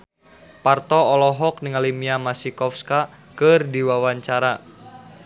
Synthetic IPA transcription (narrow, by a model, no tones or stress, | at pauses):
part̪ɔɔlɔɦɔk̚niŋalimiamasikɔfska | kɨrdiwawaɲt͡ʃaɾa